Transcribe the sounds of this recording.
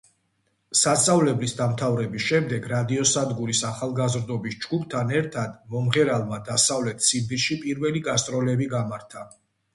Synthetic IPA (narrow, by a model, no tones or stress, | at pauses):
sat̪sʼavlɛblisd̪amt̪ʰavɾɛbisʃɛmd̪ɛɡɾad̪iɔsad̪ɡuɾisaχalˠɡazɾd̪ɔbisd͡ʒɡup̚ʰt̪ʰanɛɾt̪ʰad̪mɔmʁɛɾalˠmad̪asavlɛt̪ʰsimd̪iʃipʼiɾvɛliɡast̪ʼɾɔlɛbiɡamaɾt̪ʰa